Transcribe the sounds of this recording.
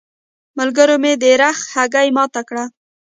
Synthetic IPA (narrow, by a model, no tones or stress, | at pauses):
məlɡəɾomed̪əɾaxhaɡajmɑt̪akɽa